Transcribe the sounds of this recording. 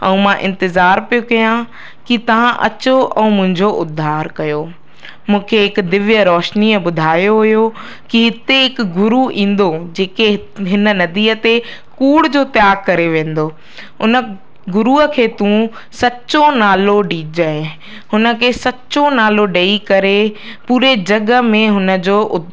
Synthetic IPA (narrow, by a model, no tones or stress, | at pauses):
ɛ̃ũmãʔɪ̃nt̪ɪzaːɾpijokɐjã | kit̪ɐʋ̤ãʔɐ̰t͡ɕoʔɛ̃mʊ̃ɦɪ̃ɲd͡ʑoʔʊd̪ʱːaːɾkɐjo | mũːkʰeɦɪkd̪ɪʋjəɾɔːʃniəbʊd̪ʱaːjoɦʊɦjo | kiɦɪt̪eɪkɡʊɾuĩːn̆d̪od͡ʑeːke | ɦɪnə̆nɐd̪iːət̪e | kuːɽd͡ʑoːt̪jaːɡ̚kɐɾeʋẽːn̆d̪oː | ʊnə | ɡʊɾuəkʰeːt̪ũ | sɐt͡ɕonaːloɖiːd͡ʑəɪ̃ | ɦʊnə̆kʰeːsɐt͡ɕonaːloɖeikɐɾe | puːɾed͡ʑɐɡəmẽɦʊnə̆d͡ʑoːʔʊ